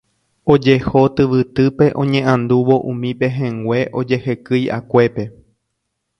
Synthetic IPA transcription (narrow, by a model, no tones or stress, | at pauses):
o̞d͡ʒeho̞t̪ɨʋɨt̪ɨpe̞ʔõ̞ɲẽ̞ʔãnd̪uʋo̞ʔũmĩpe̞ɦẽŋɡʷe̞ʔo̞d͡ʒe̞hekɨja̰kʷe̞pe̞